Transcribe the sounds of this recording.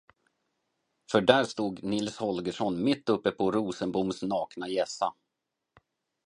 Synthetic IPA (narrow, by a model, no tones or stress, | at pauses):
fœɖæːɾʂt̪uːɡnɪlshɔlɡəʂɔnmɪt̪ːɵpːəpʰɔɾuːsənbʊmsnɑːknajɛsːa